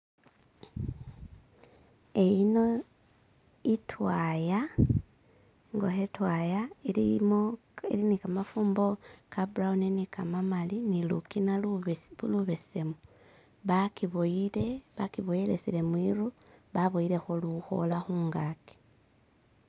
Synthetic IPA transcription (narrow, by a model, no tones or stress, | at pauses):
e̞jino̞ | itʰwaja | ŋɡohetwajailimo | ḭlinikamafuːmbo̞kabuɾaunenikamamalinilṵkinauluβe̞se̞mo | βakiβoile̞βakiβojilḛsile̞mwiɾuβaβoiɾe̞xoluxo̞̰laxuːŋɡaki̥